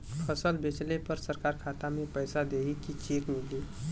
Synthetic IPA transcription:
pʰəsəlbet͡ʃlepəɾsəɾkaɾkʰat̪amepəjsad̪eɦikit͡ʃikmili

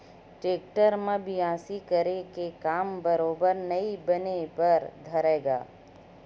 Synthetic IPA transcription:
ʈeːkʈəɾmẽbʱiãːsikɐɾekekaːmbɐɾoːbəɾnɐibɐnepɐɾd̪ʱɐɾeːɡa̰ː

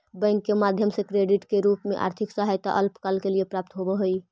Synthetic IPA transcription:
bə̃ŋkːemad̪ʱjəmsekɾeɖiʈkeɾupmeʔa̰ɾt̪ʰiksaɦajt̪a̰ʔəlpkalkeliepɾap̚t̪ɦobeɦoj

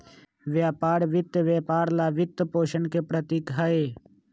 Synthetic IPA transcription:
ʋjaːpaːɾʋɪt̪ʋjaːpaːɾlaːʋɪt̪ːpoːʃənkepɾɐt̪ikɦɐe

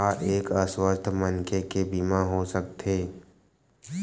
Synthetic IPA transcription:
aʔeːkəswəst̪ʰmənkekebimãɦosək̚t̪ʰeː

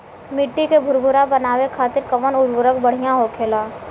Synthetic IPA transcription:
mɪʈːikebʱʊɾbʱʊɾabɐnaːʋekʰaːt̪ɪɾkɐʋənʊɾbʱʊɾəkbɐɽ̤ijãɦokʰeːlaː

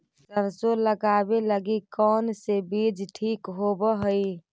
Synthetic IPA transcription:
səɾsoləɡabeləɡikɔnsebid͡ʒʈʰikɦobəɦəj

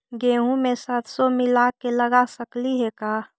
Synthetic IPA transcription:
ɡeːɦũmẽsət̪somɪlakeləɡasəkliɦɛkaː

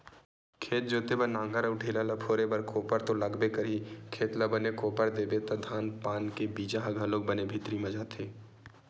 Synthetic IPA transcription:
kʰeːt̪̚d͡ʒoːt̪ebənãːŋɡəɾəːʈʰeːlalɐpʰoːɾebɐɾkoːpəɾt̪olɐɡbekɐɾikʰeːt̪lɐbənekoːpəɾd̪eːbet̪ɐd̪ʱaːnpaːnkebiːd͡ʒaɦɐɡɐloːk̚bənebʱɪt̪ɾimɐd͡ʒat̪ʰeː

